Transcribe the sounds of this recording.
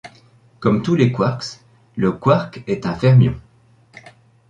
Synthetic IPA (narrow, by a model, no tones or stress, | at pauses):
kɔmt̪ulekwaʁks | ləkwaʁkɛt̪ɛ̃fɛʁmjɔ̰̃